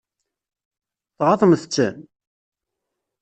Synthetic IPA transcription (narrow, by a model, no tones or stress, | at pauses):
θʁɑθˤəmθət͡sːæn